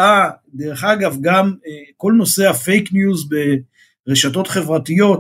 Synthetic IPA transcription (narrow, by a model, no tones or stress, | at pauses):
adeʁeχaɡavɡamko̞lno̞se̞hafejknjuzbe | ʁeʃato̞tχe̞vʁatijo̞t